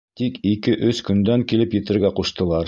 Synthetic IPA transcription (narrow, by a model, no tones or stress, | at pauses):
t̪ikikɘʔɵskɵ̆nd̪æŋkilɘpjɘ̆t̪ɘ̆ɾɡæquʃt̪ɤ̆lˠɑɾ